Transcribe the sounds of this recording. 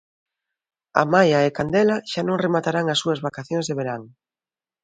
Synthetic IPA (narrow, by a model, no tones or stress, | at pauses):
a̰majaekand̪elaʃanõŋremat̪aɾaŋasːuɐzβakaθjõŋzðeβeɾaŋ